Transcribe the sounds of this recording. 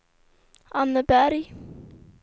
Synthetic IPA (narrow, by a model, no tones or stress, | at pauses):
anːəbæɾi